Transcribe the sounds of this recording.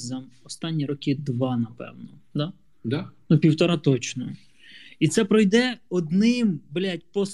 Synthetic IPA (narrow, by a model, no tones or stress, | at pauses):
zɐɔst̪ɑnʲːiɾɔkʲɪd̪ʋɑnɐpɛ̰wnɔ | d̪ɑ | d̪nupʲiwt̪ɔɾɑt̪ɔt͡ʃnɔ | it̪sɛpɾɔjd̪ɛɔd̪nɪmblʲatʲpɔs